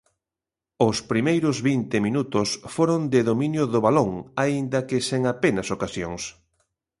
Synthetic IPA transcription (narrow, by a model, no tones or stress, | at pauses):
ʊspɾimejɾʊzβint̪ɪminut̪ʊsfoɾond̪ɪðomĩnjʊðoβaloŋaind̪ɐkɪseŋapenɐsokasjoŋs